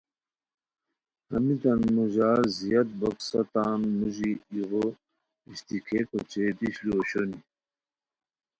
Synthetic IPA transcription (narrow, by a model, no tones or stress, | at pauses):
ɐmit̪ɐnmuʑaːzijɐt̪̚bɐksɐt̪aːnmuʑiːɣo | iɕt̪ikʰekot͡ɕed̪iɕlioɕoni